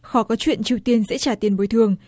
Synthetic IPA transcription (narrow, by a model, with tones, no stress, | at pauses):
xɔ˨˦kɔ˨˦t͡ɕwḭ˧˨ənt͡ɕi˧əwt̪i˧ənzɛ̰˧˥t͡ɕaː˧˩t̪i˧ənɓo˨˦jt̪ʰɨ˧˩əŋ